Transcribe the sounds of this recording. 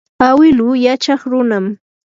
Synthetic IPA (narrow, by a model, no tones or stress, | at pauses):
awɪlʊjat͡ʃɑχɾʊnam